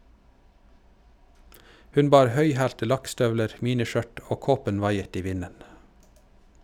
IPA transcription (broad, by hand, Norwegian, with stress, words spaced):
ˈhʉn ˈbɑːɾ ˈhœʏˌhæːltə ˈlɑkˌstœʋləɾ ˈmiːnɪˌʃœʈ ˈoː ˈkoːpən ˈʋɑɪət ˈiː ˈʋɪnən